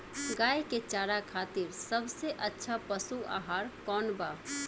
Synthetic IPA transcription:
ɡaːjket͡ʃaɾakʰat̪iɾsəbseʔətːʃʰapəsua̰ɦaɾkɔnba

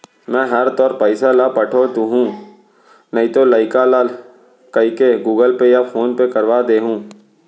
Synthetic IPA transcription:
mɛ̃ːɦɐɾt̪ɔːɾpəɪsalapɐʈʰot̪uɦũː | nəĩt̪olaːɪkalaːl | kɐikeɡuːɡəlpejafʰoːnpekɐɾʋaːd̪eːɦũː

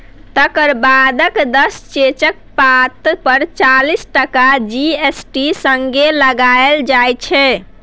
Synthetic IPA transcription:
t̪əkəɾbad̪əkd̪əst͡ʃet͡ʃək̚pat̪pəɾt͡ʃalisʈəkad͡ʒiesʈisəŋɡeləɡaeld͡ʒajt͡ʃʰɛ

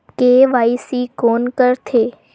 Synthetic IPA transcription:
keʋaisikonkəɾt̪ʰe

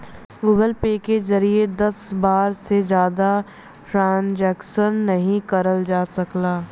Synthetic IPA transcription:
ɡuːɡəlpeːkezɐɾied̪ɐsbaːɾsezjaːd̪a | ʈɾãːnd͡ʒɛːkʃənːɐɦĩkɐɾəld͡ʒaːsɐklaː

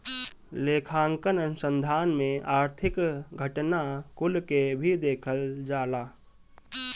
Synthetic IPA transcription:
leːkʰãːŋkənənʊsə̃nd̪ʱaːnmẽaːɾt̪ʰɪkɡʱəʈnakʊlkebʱid̪eːkʰəld͡ʒaːlaː

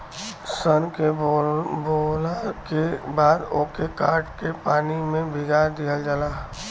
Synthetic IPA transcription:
sənke | boːlakebaːd̪oːkekaːɾʈkepaːnimẽbʱɪɡaːɾd̪ijəld͡ʒəlaː

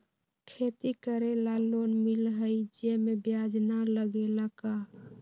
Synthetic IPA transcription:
kʰet̪ikəɾelalonmilɦəid͡ʒemebjad͡ʒnaləɡelaka

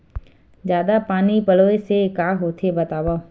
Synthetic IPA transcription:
zjaːd̪apaːnipəloːesekaːɦoːt̪ʰebət̪aːʋaː

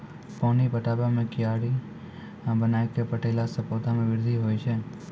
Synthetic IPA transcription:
pɔ̃nipəʈabamẽkijaɽi | bənajkepəʈelasəpot̪amẽʋɪɾd̪ʱiɦojt͡ʃʰe

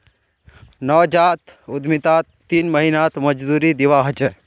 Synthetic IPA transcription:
nɔd͡ʒaːt̪ʊd̪mit̪aːt̪ːiːnməɦinat̪mɐd͡ʒd̪uːɾid̪iʋaːɦt͡ʃ

